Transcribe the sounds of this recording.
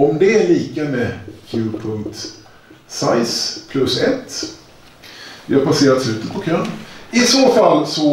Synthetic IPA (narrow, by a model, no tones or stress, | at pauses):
ɔmd̪ɛæɭiːkamɛkʰjʉːpʰɵŋk̚t̪ | sajspʰlɵsɛt̪ː | vɪhaɾpaseːɾat̪slʉ̟ːt̪ət̪̚pʰɔkʰœnɪsoːfalːsɔ